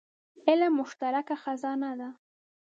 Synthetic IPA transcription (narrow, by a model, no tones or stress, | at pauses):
ɪlamːʊʃt̪aɾakaxazɑnad̪a